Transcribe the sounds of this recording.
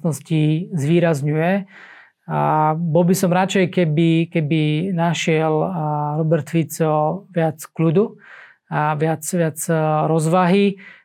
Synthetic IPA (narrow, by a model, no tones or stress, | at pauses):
nɔscizʋiːɾazɲujɛ | bɔlbisɔmɾat͡ʃɛjkɛbikɛbinaʃɪɛlɾɔbɛɾt̪fit͡sɔʋɪat͡sklud̪u | aʋɪat͡sʋɪat͡sɾɔzʋaɦi